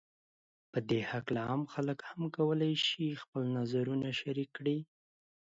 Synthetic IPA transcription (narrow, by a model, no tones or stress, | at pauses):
pəd̪ehaklaamxaləkhamkawəlajʃixpəlnazaɾunaʃaɾikːɽi